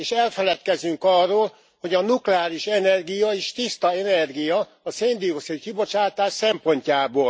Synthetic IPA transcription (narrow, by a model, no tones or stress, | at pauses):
eːʃɛlfɛlɛt̪kɛzyŋkɒrːoːl | ho̞ɟɒnuklɛaːɾiʃɛnɛrɡijɒeːʃt̪ist̪ɒɛnɛrɡijɒː | seːnd̪ioksilkibo̞t͡ʃaːt̪aːʃsɛmpo̞ɲcaːboːl